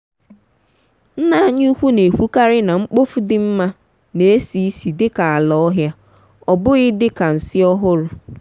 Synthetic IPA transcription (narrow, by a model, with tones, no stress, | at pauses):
n̩˦na˦a˦˨ɲu˦kʷu˦ne˨kʷu˦ka˦ɾɪ˦na˨ŋ͡m̩˦k͡po˦fu˦dɪ˦m̩˦ma˦ | ne˨e˦si˦i˦si˨dɪ˦ka˨a˨lɔ˦ɔ˦ɦja˦ | ɔ˨bʊ˦ɣɪ˦dɪ˦ka˨n̩˨sɪ˦ɔ˦ɦʊ˦ɾʊ˦